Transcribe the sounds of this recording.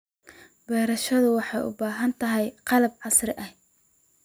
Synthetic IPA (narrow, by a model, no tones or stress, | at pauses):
b̥ɛːɾɐʃɐðʊwɑħɑjʔʊ̰baːɦɐnt̪ʰɐɦɛjqɑlɐb̚ʕɑsrɪʔɐh